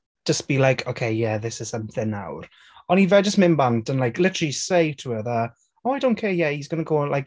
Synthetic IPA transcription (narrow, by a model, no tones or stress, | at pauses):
d̥əsb̥ilajkʰokʰeɪjɛðɪsɪz̥səmθɪnːa̰wr | ɔnivɛd͡ʒəsmɪnbantənlajkʰlɪtəlisejtʰuəðə | oajdõwnkʰejɛisɡənəɡoːlʔajk